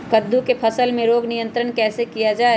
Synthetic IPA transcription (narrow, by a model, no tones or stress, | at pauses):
kɐd̪ʱːukepʰɐsəlmẽɾoːɡnijə̃nt̪ɾənkɛːsekijad͡ʒaːe